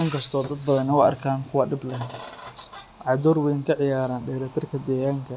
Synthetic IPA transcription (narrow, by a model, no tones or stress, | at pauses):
ʔɪŋkʰɐst̪ʰɔːd̪ɐd̪̚bɐðɐnːɐwɑɐ̰rkʰaːŋkʰʊwɑɖɪblɛ | ʕɑd̪ɔːrwɛjŋkʰɐʕɪjaːɾaːnɖɛːɾɐt̪ʰɪrkʰɐd̪ɛːɣaːŋkʰɐ